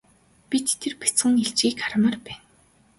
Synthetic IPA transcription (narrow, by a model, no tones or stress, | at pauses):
pit̪t̪ʰːerpi̥t͡sχɘ̆ŋeɬt͡ɕiːkaɾ̆mə̆rpæːn